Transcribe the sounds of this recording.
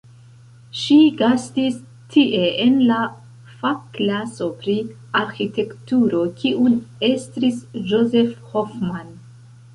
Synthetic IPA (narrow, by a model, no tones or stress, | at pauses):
ʃiɡastis | tʰiʔe̞enla | faklaso̞pɾi | aɾxite̞ktuɾo̞kʰiʔunestɾisd͡ʒoze̞fhofman